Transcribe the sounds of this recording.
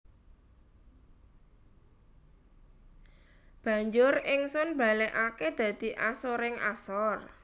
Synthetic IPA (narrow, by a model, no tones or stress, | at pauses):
b̥ä̤ɲd͡ʒʊrɪŋsʊnb̥a̤lɛʔaked̪̥ä̤d̪̥i̤ʔasɔɾɪŋa̰sɔr